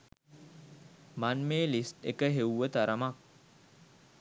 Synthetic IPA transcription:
manmeːlisʈḛkəɦewuʋət̪aɾəmak̚

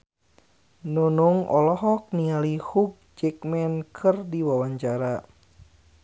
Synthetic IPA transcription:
nunuŋɔ̰lɔɦɔk̚nialihuɡ̚d͡ʒɛk̚mɛnkʰɨrdiwawaɲt͡ʃaɾa

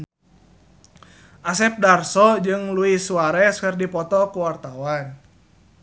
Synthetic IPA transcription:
ʔasɛp̚darsɔd͡ʒɨŋluisuaɾɛskərdipɔt̪ɔkuwart̪awan

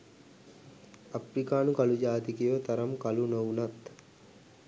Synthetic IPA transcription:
apɾikaːnukalud͡ʒaːt̪ikejʋət̪ɐɾɐmkalunowunat̪

